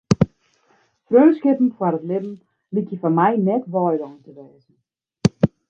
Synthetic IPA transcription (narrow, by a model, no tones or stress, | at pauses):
frøːlskɪpn̩fwarətlɪbm̩ | likjəfanmɛjnɛtʋɔjlɔŋntəʋɛːzən̩